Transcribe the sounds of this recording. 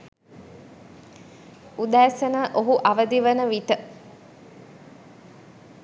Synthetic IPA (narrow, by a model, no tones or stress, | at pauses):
ud̪æːsənəʔoɦuʔaʋəd̪iʋənəʋit̪ə